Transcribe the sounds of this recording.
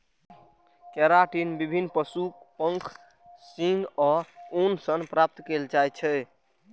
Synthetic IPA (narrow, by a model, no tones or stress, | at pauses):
kɛɾaʈinbibʱinːpəsukpə̃ŋkʰ | sĩŋɡɔonsənpɾap̚t̪keld͡ʒajt͡ʃʰɛ